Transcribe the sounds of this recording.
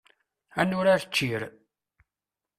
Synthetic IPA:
ænʊɾaɾət͡ʃːiɾ

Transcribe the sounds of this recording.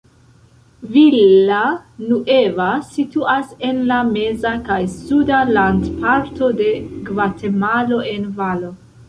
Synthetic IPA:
vilanuʔe̞vasituase̞nlame̞zakajsudalandpaɾto̞de̞ɡvate̞malo̞e̞nvalo

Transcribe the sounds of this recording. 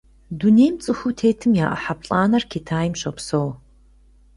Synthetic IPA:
duneːmt͡sʼɨxʷutʰeːtʰɨmjaːʔɐ̰ħapɬʼaːnɐrkʰeːtʰaːjɪmɕɐpsow

